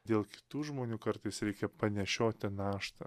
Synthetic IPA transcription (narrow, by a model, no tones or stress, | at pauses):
d̪ʲeːlˠkʲɪ̥t̪uːʒmoːnʲuːkɐɾt̪ɐɪsɾʲɛɪkʲɛpɐnʲɛʃʲoːt̪ʲɪnɑːʃt̪ɐ̰